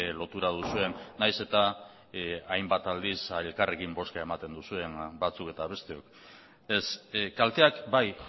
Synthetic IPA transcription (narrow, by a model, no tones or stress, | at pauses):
lo̞t̪uɾað̞usue̞nːajse̞t̪a | ajmbat̪ald̪iselkare̞kimbo̞skae̞mat̪e̞nd̪usue̞nbat͡suke̞t̪aβ̞e̞st̪e̞o̞k | eskalt̪e̞akbaj